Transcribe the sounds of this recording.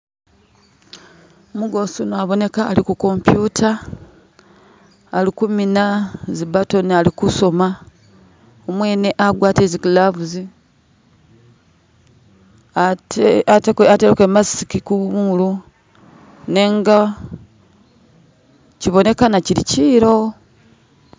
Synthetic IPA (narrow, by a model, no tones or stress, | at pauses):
muɡo̞sunoaβo̞ne̞kaːlikuko̞mpjutʰa | likuminazibato̞nalikuso̞ma | omwe̞ːne̞ʔaɡwaːtezikulaβuzi | atekeateɾeke̞masikikumulu | ne̞ŋɡa | ciβo̞ne̞kanaciɾiciːɾo̞